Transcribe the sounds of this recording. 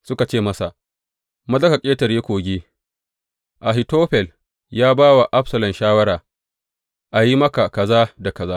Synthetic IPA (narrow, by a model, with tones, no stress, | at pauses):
sʊ˦ka˨t͡ʃeː˦˨mɐ˦sa˨ʔ | mɐ˦zɐ˦kɐ˨kʲʼeː˦tɐ˨rjeː˦kʷoː˨ɡʲeː˦ | ʔa˨ɦɪ˨toː˦ɸɛ˨l | jaː˦baː˦wa˨ʔa˦ɸsɐ˨lɐ˨nʃaː˦wɐ˦ɾaː˨ | ʔa˨ji˦mɐ˦ka˨kɐ˨zaː˦da˨kɐ˨zaː˦